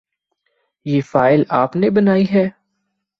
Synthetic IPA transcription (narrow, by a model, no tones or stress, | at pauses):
jeːfaːɪlaːpnebɐnaːiɦɛː